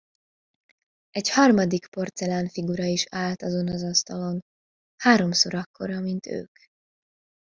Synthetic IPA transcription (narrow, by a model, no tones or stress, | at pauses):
ɛchɒrmɒd̪ikpo̞rt̪sɛlaːnfiɡuɾɒiʃaːlt̪ɒzo̞nɒzɒst̪ɒlo̞n | haːɾo̞mso̞ɾɒkːo̞̰ɾɒmint̪ø̰ːk